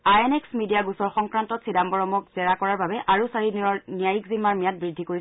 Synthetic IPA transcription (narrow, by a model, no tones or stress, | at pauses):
ajɛnɛksmidijaɡusɔɹxɔŋkɹantɔtsidambɔɹɔmɔkz̥ɛɹakɔɹaɹbabɛʔaɹusaɹidinɔɹnijajikzimaɹmijat̚bɹidʱːikoɹi